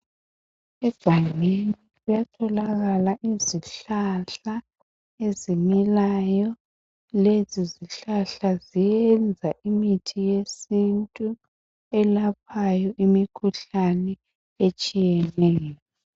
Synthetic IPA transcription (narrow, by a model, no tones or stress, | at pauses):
ɛb̥ʱaŋenilujatʰɔlaɣalaʔiziɬaɬa | ezimilajɔ | leziziɬaɬazijɛnd͡zʱaʔimitʰijesintʼu | ɛlapʰajɔʔimikʰuɬanɛ | et͡ʃʼijɛnɛːjɔ